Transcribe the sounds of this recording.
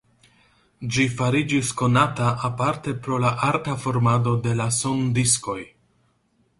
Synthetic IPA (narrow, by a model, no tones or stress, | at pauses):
d͡ʒifaɾid͡ʒisko̞nataʔapaɾte̞pɾo̞laʔaɾtafo̞ɾmado̞de̞lasondisko̞j